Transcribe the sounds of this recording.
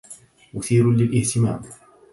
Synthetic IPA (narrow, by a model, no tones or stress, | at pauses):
mʊθiːɾʊnlɪlʔɪht̪ɪma̰ːm